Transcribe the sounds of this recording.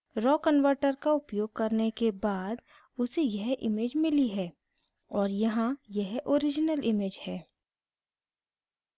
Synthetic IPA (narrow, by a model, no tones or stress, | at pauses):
ɾɔːkənʋəɾʈəɾkaʊpjoːɡ̚kɐɾnekebaːd̪ | ʊsejɛɦʔɪ̰meːd͡ʒmɪliɦɛː | ɔːɾjɐɦãjɛɦoːɾɪd͡ʒnəlʔɪmeːd͡ʒhɛː